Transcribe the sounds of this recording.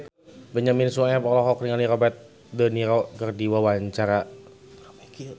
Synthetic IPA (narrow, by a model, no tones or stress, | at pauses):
bəɲaminsuaɛpɔlɔɦɔkriŋaniɾɔbɛt̪̚ | dəniɾɔkərdiwawaɲt͡ʃaɾa | pk